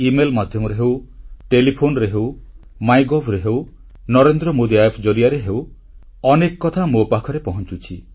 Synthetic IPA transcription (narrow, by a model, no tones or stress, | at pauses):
imelmad̪ʱjɔmɔɾeɦewʈelipʰonɔɾeɦew | majɡɔbɾeɦew | nɔɾend̪ɾɔmod̪iajpʰd͡ʒoɾiaɾeɦew | ɔnekɔkɔt̪ʰamopakʰɔɾepɔɦɔnt͡ʃut͡ʃʰi